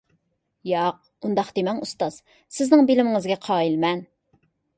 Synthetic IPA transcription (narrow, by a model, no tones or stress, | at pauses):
jɑq̚ | und̪ɑqd̪emɛŋust̪ɑz̥ | sɪznɪŋbɪlɪmɪŋɪzɡʲɛqʰɑːilmɛn